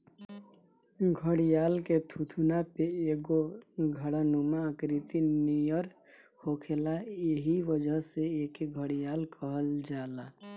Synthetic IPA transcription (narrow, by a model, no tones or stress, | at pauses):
ɡʱəɽijaːlket̪ʰut̪ʰunapeeɡoɡʱəɽanumaəkɾit̪inijəɾ | hokʰelajeɦiʋəd͡ʒʱəɦseekeɡʱəɽijaːlkʰəɦəld͡ʒaːla